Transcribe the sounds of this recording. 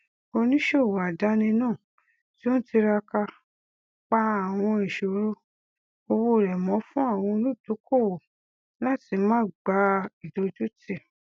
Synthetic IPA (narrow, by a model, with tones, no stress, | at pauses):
o˧nĩ˦ʃo˦˨wo˨a˨da˨˦nĩ˧nãː˦˨ | ti˦o˦n̩˦ti˧ɾa˧ka˧ | k͡pa˦a˦˨w̃ɔ̃˧i˨ʃo˨˦ɾu˦ | o˧wo˧˨ɾɛ˨mɔ̃˨˦fũ˦a˦˨w̃ɔ̃˧˦lu˦˨to˨˦kʰo˦˨wo˨ | la˦˨ti˧˦mãː˦ɡ͡ba˧˦i˨do˧d͡ʒu˦ti˦˨